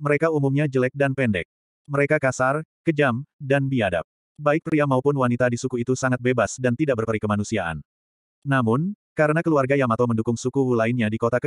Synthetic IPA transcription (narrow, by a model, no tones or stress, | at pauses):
məɾekaumumɲad͡ʒəlɛk̚danpɛndɛ̰k̚ | məɾekakasarkəd͡ʒamdanbiada̰p̚ | baɪk̚pɾiamaupʊnwanit̪adisukuit̪usaŋat̪̚bebasdant̪idaʔ̚bərpəɾikəmanusiaʔa̰nː | amʊn | kaɾənakəluarɡajaŋmat̪awməndukʊŋsukuwulaɪnɲadikot̪akə